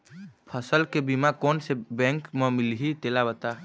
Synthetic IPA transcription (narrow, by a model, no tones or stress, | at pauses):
pʰəsəlkebimakoːnsebɛ̃ŋkmə̃mɪlɦit̪elabət̪a